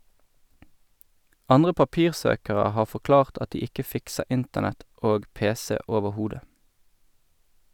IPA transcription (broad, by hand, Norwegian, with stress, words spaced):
ˈɑnʁə pɑˈpiːʁˌsøːkəʁə ˈhɑː fɔˈklɑːʁt ˈɑt ˈdiː ˈɪkə ˈfɪksə ˈɪntənɛt ˈoːɡ ˈpeːˌseː ˌoːʋəˈhuːdə